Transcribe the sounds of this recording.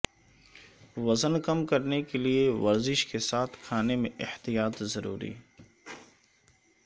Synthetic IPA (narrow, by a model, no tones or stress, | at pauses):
ʋɐzənkɐmkɐɾnekelieʋɐɾzɪʃkesaːt̪ʰkʰaːnemẽʔɪht̪ijaːt̪zɐɾṵːɾḭː